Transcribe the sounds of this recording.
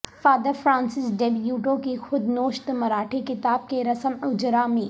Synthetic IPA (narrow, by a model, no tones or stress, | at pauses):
faːd̪əɾfɾaːnsɪsɖeːbjuːʈõkixʊd̪noːʃt̪mɐɾaːʈʰikɪt̪aːb̚keɾɐsəmʊd͡ʒɾamĩː